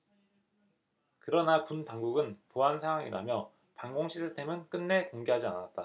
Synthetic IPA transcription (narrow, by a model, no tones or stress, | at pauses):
kɯɾʌnapuntaŋɡuɡɯnpoɦansʰaŋɦwaŋḭɾa̰mjʌ | paŋɡoŋɕʰisʰɯtʰe̞mɯnk͈ɯnːe̞toŋɡeɦad͡ʑia̰nat̚t͈a